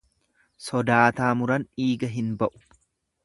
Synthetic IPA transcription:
sɔd̪aːt̪aːmʊɾɐniːɡɐɦɪnbɐʔʊ̥

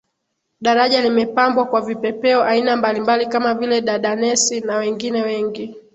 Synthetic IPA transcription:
ɗaɾaʄalimɛpambwakwavipɛpɛɔʔainambalimbalikamavilɛɗaɗanɛsinawɛŋɡinɛwɛŋɡi

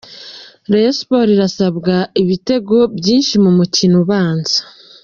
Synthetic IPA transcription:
ɾespo̞ɾiɾasaβɡaiβite̞ɡo̞bjiːnʃimumucinuβaːnzḁ

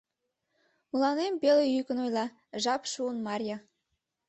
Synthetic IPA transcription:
mulˠɑnembelejykə̆nojlˠɑ | ʒɑpʃuənmɑrʲjɑ

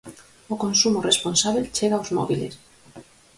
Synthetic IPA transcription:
okonsumoresponsaβelt͡ʃeɣaozmo̰βilḛs

